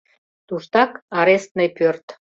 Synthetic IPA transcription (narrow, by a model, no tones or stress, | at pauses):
t̪uʃt̪ɑkɑɾest̪nejpørt̪